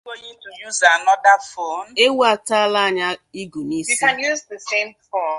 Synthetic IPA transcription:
o˦ji˦tu˨ju˦za˨nɔ˦da˦fo˦ne˦wa˨ta˦a˦la˦a˨ɲa˦i˦ɡu˨ni˦sjiikã˨nju˦zðə˨sẽ˦mfɔ˦n

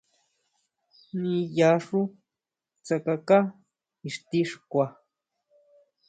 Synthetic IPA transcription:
nĩ˧ja˧ʂu˦ | t͡sa˧ka˧ka˦ | i˧˨ʂt̪i˦ʂkʷa˧

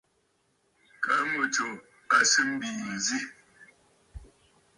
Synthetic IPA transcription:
ka˨˦mə˨to˨ | a˨sɨ˦m̩˦bi˨m̩˨zi˦

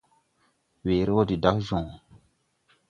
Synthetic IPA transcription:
weː˨ɾe˦wo˦di˨da˦kzɔ̃˨

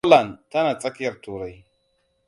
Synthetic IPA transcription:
la˨nta˦na˨t͡sʼa˦kja˦˨ɾtu˨ɾa˨j

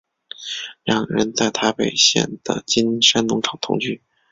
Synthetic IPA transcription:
ɻɑ˥˩ŋɻə̰˧˥nt͡sa˥˩ɪt̪ʰa˥pe˨˩ɪɕjɛ̰˥˩nd̪̥ə̰˩t͡ɕi˥nʂa˥nnʊ˧˥ŋʈ͡ʂʰɑ̥˨˩ŋt̪ʰʊ̰˧˥ŋt͡ɕy˥˩

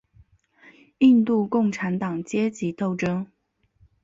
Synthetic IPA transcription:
i˥˧nt̪u˥˧kʊ˥˩ŋʈ͡ʂʰa˧˥nt̪ɑ˨˩ŋt͡ɕjɛ˥t͡ɕi˧˥t̪o˥˧ʊʈ͡ʂɤ˥ŋ

